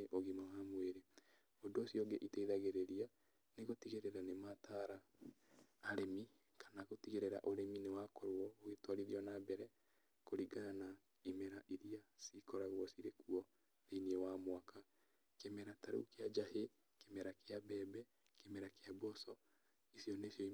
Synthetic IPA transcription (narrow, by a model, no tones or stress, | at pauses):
ʔoɣimawamweɾe | odoːsiɔɡɛʔiteiðaɣeɾeɾia | neɣotiɣeɾeɾanemataɾaː | ɾemi | kʰḁnaɣotiɣeɾeɾa̰ʔoɾeminewaːkɔɾwɔoɣetwɔɾiðiɔnabɛɾɛ | koɾiɡanana | imɛɾaʔiɾiasikɔɾaɣwɔsiɾekuɔ | ðeniewamwaka | kemɛɾataɾṵkead͡ʒahe | kemɛɾakeabɛbɛ | kemɛɾakeabɔsɔ | isjɔnesɔi